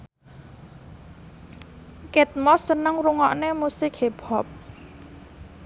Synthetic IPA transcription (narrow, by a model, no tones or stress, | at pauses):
kɛt̪̚mɔsənəŋruŋɔʔnemusɪk̚heb̥ʰɔp̚